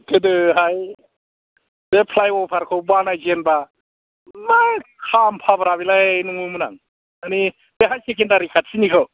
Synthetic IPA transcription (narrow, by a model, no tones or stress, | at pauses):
kʰɯdɯɦaj | d̥epʰlajwɔpʰaɾkʰɯwbanajd͡ʒenba | makʰampʰabɾabilanɯŋumɯna̰ŋ | ani | beɦajsekendaɾikʰat̚sinikʰaw